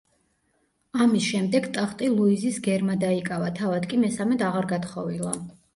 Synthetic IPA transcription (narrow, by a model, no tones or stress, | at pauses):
amisʃɛmd̪ɛɡt̪ʼaχt̪ʼilˠuizisɡɛɾmad̪aikʼavat̪ʰavad̪kʼimɛsamɛt̪aʁaɾɡat̪χɔvilˠa